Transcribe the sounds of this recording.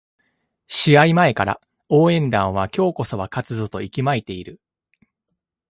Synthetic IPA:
ɕiaimae̞kaɾa̰ | o̞ːẽ̞nd̪ãɰ̃β̞akʲo̞ːko̞so̞βakat͡sɨzo̞t̪o̞ikʲimait̪e̞iɾɯ̟

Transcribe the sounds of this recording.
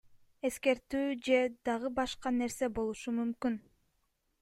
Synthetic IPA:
e̞ske̞ɾt̪yːd͡ʒe̞d̪ɑʁɯbɑʃqɑne̞ɾse̞bo̞lˠuʃumymkyn

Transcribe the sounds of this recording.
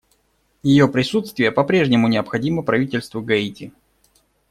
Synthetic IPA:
jɪjo̞pɾʲɪsut̪st̪vʲɪjəpɐpɾʲe̞ʐnʲɪmʊnʲɪəpxɐdʲiməpɾɐvʲitʲɪlʲst̪vʊɡɐitʲɪ

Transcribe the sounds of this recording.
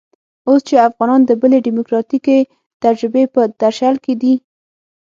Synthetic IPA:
ost͡ʃeafɣɑnɑnd̪əbəleɖɪmʊkɾɑt̪ike | t̪ad͡ʒɾɪbepəd̪aɾʃalked̪i

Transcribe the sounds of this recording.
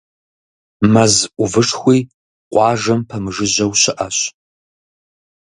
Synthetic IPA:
mɐzʔʷʊvɨʂxʷiː | qʷʼɑːʒɐmpʰɐmɨʐɨʑɐwɕɪʔɐɕ

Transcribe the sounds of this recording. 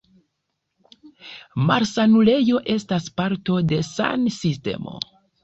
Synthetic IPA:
maɾsanule̞jo̞ʔe̞staspaɾto̞de̞sa̰nsiste̞̰mo̞̰

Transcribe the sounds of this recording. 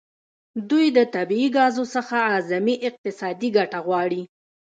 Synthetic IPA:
d̪ujd̪ət̪abiːɡɑzosəxaɑzamiʔɪq̚t̪ɪsɑd̪iɡaʈaɣwɑɽi

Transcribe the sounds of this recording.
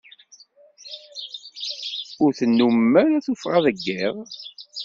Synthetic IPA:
ʊɾθənːummːæɾæθufʁɑðəɡːɪʁˤ

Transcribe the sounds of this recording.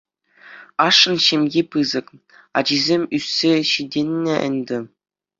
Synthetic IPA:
ɑʂːɤ̆nɕemʲɡʲipɯzɤ̆k | ɑ̰d͡ʑizʲemʲysʲːeɕidʲenʲːɘ̆ʔɘ̰̆nʲd̪ʲɘ̆

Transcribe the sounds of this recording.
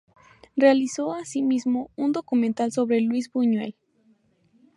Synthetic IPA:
realiso̞asimizmo̞und̪o̞kumẽnt̪also̞βɾelwizbuɲwḛl

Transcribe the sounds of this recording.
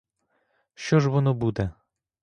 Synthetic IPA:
ʃt͡ʃɔʒʋɔnɔbud̪ɛ

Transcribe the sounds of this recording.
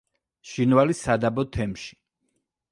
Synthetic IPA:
ʃinvalisad̪abɔt̪ʰɛmʃi̥

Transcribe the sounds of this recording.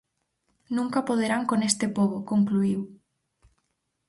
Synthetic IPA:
nũŋkapoð̞eɾaŋkonest̪ɪpoβokoŋkluiw

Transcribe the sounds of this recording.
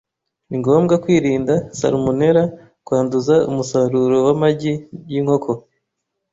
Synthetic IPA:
iŋɡo̞ːmɡakwiːɾiːndasa̰ɾomone̞ɾa | kwaːnduzaumusaɾuɾowamaɟijiŋho̞kʰo̞

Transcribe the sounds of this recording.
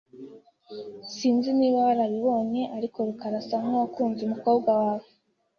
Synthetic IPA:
siːnziniːβaβaɾaβiβo̞ne̞ʔaɾiko̞ɾukaɾasamowakuːnzeumuko̞ːbɡwawaːve

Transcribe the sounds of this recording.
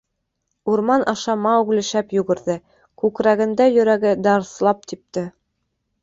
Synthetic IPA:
uɾmɑnʔɑʃɑmɑuɡlɘ̆ʃæpjʉɡɘ̆ɾðɘ | kʉkɾæɡɘ̆nd̪æjɵ̆ɾæɡɘd̪ɑɾθlˠɑp̚t̪ip̚t̪ɘ

